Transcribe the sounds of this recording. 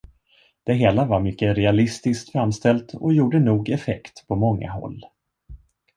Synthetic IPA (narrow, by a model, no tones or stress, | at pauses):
d̪̥ɛɦeːlavaɾmʏkːəɾɛalɪst̪ɪskt̪fɾamːst̪ɛlt̪ɔjuːɖənuːɡɛfɛkt̪pʰɔmɔŋːa̰ɦɔ̰lː